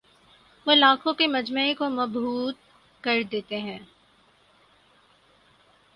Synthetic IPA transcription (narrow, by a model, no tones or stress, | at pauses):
ʋoːlaːkõkemɐd͡ʒməikomɐbuːt̪̚ | kɐɾd̪eːt̪eɦɛ̃ː